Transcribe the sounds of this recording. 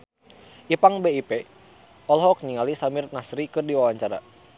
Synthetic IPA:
ʔipaŋbeipe | ɔlɦɔk̚ɲiŋalisamirnasɾikɨrdiwawaɲt͡ʃaɾa̰

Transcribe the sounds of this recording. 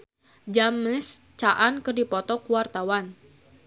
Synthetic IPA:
d͡ʒaməst͡ʃaʔankɨrdipɔt̪ɔkuwart̪awan

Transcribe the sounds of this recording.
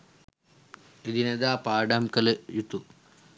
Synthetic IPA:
id̪ined̪aːpaːɖamkɐlejut̪u

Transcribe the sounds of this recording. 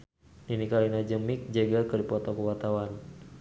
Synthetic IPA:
ninikalinad͡ʒəmik̚d͡ʒəɡakɨrdipɔt̪ɔkəwat̪awan

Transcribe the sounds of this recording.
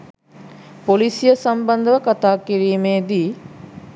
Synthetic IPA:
polisijəsambɐnd̪əʋəkat̪aːkiɾiːmeːd̪iː

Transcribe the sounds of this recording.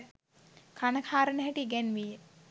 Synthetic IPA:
kʰanəkʰaːɾənəɦɛʈiɡɛnʋije

